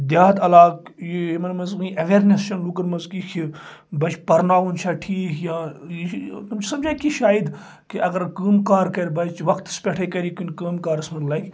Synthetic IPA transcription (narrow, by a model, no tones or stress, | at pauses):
d̪jaːt̪ɐlaːkjimɐnmɐzkinʔɐʋeːɾnest͡ʃʰɐnluk̬ɐnmɐzkikʰi | bɐt͡ʃʰpɐɾnaːʋunt͡ʃʰaʈʰiːkʰja | t̪umt͡ʃʰisɐmd͡ʒaːjkiʃaːjid̪ | kiʔɐɡɐɾkəːmkaːɾkɐɾʲbɐt͡ʃʋɐkt̪spʲeʈʰekɐɾikinʲkəːmkaːɾsmɐnlɐkʰʲ